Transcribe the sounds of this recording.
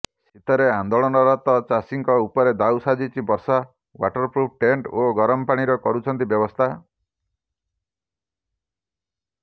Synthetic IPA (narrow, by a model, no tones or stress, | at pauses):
sit̪ɔɾeand̪oɭɔnɔɾɔt̪ɔt͡ʃasiŋkɔupɔɾed̪awsad͡ʒit͡ʃʰibɔɾsa | wa̰ʈɔɾpɾup̚ʈeɳʈoɡɔɾɔmɔpaɽ̃iɾɔkɔɾut͡ʃʰɔnt̪ibjɔbɔst̪ʰa